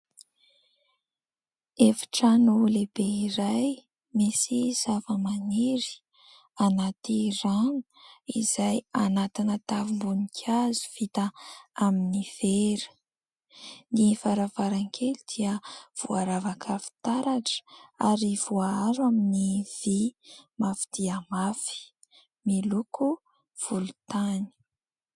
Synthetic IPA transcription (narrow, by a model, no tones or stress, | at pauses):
efḁʈ͡ʂanolebeiɾaj | mesiz̥avəmaniɾi̥ | anat̪iranu̥izajanat̪inət̪avimbunikʲʰazu̥v̥it̪əaminiv̥eɾi̥ | nifaɾavaɾaŋkʰelud̪̥iəv̥uaɾavakʰafi̥t̪aɾaʈ͡ʂə̥aɾivuaaɾaminiv̥imafi̥d̪̥iəmafi̥ | miluku | v̥ulut̪ani̥